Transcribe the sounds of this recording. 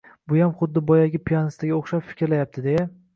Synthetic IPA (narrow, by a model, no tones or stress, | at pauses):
bʊjamχʊd̪ːɪbɒjaɡʲɪpʰijanɪst̪ʰaɡʲaoχʃapfɪ̥kʲɾlajap̚t̪ɪd̪eja